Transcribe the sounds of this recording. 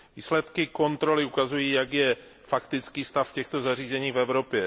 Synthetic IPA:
viːslɛt̪kɪko̞nt̪ɾo̞lɪukazujiːjaɡjɛ | fakt̪ɪt͡skiːst̪afcɛxt̪o̞zariːzɛɲiːfvɛvɾo̞pjɛ

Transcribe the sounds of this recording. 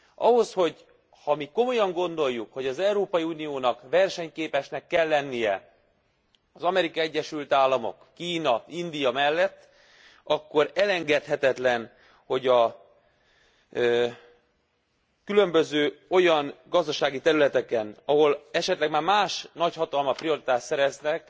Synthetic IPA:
ʔɒ̰ɦo̞sho̞ɟ | hɒmiko̞mo̞jɒŋɡo̞nd̪o̞jːukho̞ɟɒzɛuɾoːpɒjiuːnijoːnɒkʋɛrʃɛɲkeːpɛʃnɛkːɛlːɛnːijɛ | ɒzɒmɛɾikɒɛɟːɛʃylt̪aːlːɒmo̞̰kːiːnɒind̪ijɒmɛlːɛt̪ː | ɒkːo̞ɾɛlɛŋɡɛt̪hɛt̪ɛt̪lɛn | ho̞ɟɒ | kylø̞mbø̞zøːo̞jɒnɡɒzd̪ɒʃaːɡit̪ɛɾylɛt̪ɛkɛnɒɦo̞lɛʃɛt̪lɛɡmaːrmaːʃnɒchɒt̪ɒlmɒpɾijo̞ɾit̪aːʃt̪sɛɾɛznɛk

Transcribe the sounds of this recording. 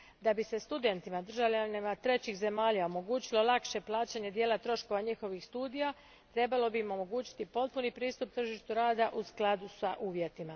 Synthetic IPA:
d̪abise̞st̪ud̪e̞nt̪imad̪r̩ʒaʋʎanimat̪ɾe̞t͡ɕixze̞maːʎao̞mo̞ɡuːt͡ɕilo̞lˠakʃe̞plˠaːt͡ɕaɲe̞d̪jeːlat̪ɾo̞ʃko̞ʋaɲixo̞ʋixst̪uːd̪ija | t̪ɾe̞balo̞biːmo̞mo̞ɡuːt͡ɕi̥t̪ipo̞t̪̚punipɾiːst̪up̚t̪r̩ʒiʃt̪uɾaːd̪aʔusklˠad̪usaʔuːʋje̞t̪ima

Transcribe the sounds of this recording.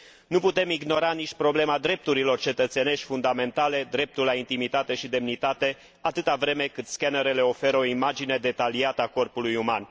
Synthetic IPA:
nuput̪e̞miɡno̞ɾaniʃ̚ʲpɾo̞ble̞mad̪ɾe̞p̚t̪uɾilo̞rt͡ʃe̞t̪ət̪se̞ne̞ʃt̪ʲfund̪ame̞nt̪ale̞d̪ɾe̞p̚t̪ulaint̪imit̪at̪e̞ʃid̪e̞mnit̪at̪e̞ | at̪ɨt̪avɾe̞me̞kɨt̪skanəɾe̞le̞o̞fe̞ɾo̞imad͡ʒine̞d̪e̞t̪aliat̪əako̞rpulujuman

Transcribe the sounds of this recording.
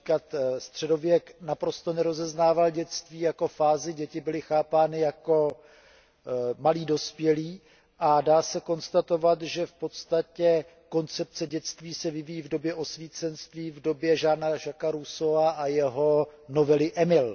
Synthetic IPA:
kat̪st̪r̝̥ɛdo̞vjɛknapɾo̞st̪o̞nɛɾo̞zɛznaːvalɟɛt͡st̪viːjako̞faːzɪɟɛcɪbɪlɪxaːpaːnɪjako̞ | maliːdo̞spjɛliː | ʔadaːsɛko̞nst̪at̪o̞vat̪ʒɛfpo̞t̪st̪acɛ | ko̞nt͡sɛp̚t͡sɛɟɛt͡st̪viːsɛvɪvijːvdo̞bjɛʔo̞sviːt͡sɛnst̪viːvdo̞bjɛʒaːnaʒakaɾusovaʔajɛɦo̞no̞vɛlɪʔɛmɪl

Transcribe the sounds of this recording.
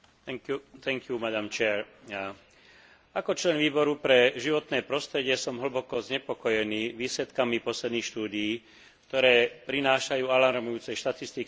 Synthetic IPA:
t̪ɛŋkɪjumad̪amt͡ʃɛːɾ | akɔt͡ʃlɛnʋiːbɔɾupɾɛʒiʋɔt̪nɛːpɾɔst̪ɾɛɟɪɛsɔmɦɭ̩bɔkɔzɲɛpɔkɔjɛniːʋiːslɛt̪kamipɔslɛd̪nixʃt̪uːd̪ijiː | k̚t̪ɔɾɛːpɾinaːʃajuːalaɾmujuːt͡sɛjʃt̪at̪ist̪ik

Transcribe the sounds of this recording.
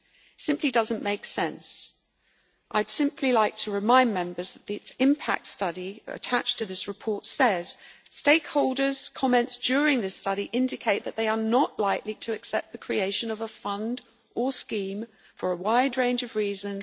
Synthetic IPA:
sɪ̃mpʰlidʌzə̃nmeɪksɛ̃ns | ʔaɪd̥sɪ̃mpʰlilaɪk̚tʰəɹɨmãɪ̃nmɛ̃mbə˞zðɨʔ̪̚ðɪsɪ̃mpʰæ̰k̚tstʌɾiə̰tʰat͡ʃtʰɨðɪsɹɨpʰɔɹtsɛz̥ | steɪkhoʊlˠdə˞z̥kʰɑmɛ̃ntsd̥ɔɹɪ̃ŋðɪstʌɾiʔɪ̃ndɨkʰeɪt̪̚ðɨʔ̪̚ðeɪə˞nəʔlaɪkliɾʰɨːksɛp̪̚ðɨkʰɹ̥ieɪʃɨ̃nʌvəfʌ̃nd | ʔə˞skĩm | fə˞əwaɪdɹẽɪ̃nd͡ʒʌvɹizə̃n

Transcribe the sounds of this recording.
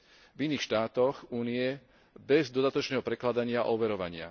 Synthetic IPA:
viniːxʃt̪aːt̪ɔxuːnijɛ | bɛzd̪ɔd̪at̪ɔt͡ʃnɛːɦɔpɾɛklad̪aɲɪaʔɔʋɛɾɔʋaɲɪa̰

